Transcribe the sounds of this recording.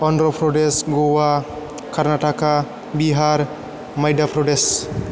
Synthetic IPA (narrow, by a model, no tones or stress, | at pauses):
ɔnɖɾɔpʰɾoɖesɡowa | kaɾnaʈaka | biɦaɾ | məjɖapʰɾoɖes